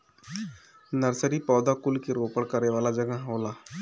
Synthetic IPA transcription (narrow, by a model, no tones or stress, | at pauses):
nəɾsəɾipɔːd̪akulkiɾopəɽkəɾeʋalad͡ʒəɡãɦəwla